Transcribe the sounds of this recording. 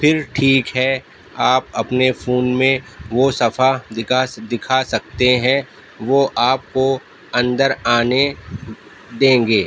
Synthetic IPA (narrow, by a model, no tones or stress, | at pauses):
fɪɾʈʰiːkɦɛ | aːpɐpnefʰuːnmẽʋosɐfaɪad̪ɪkʰasɐk̚t̪eɦɛ̃ | ʋoʔaːp̚ko | ɐ̃nd̪əɾaːne | d̪ẽːŋɡeː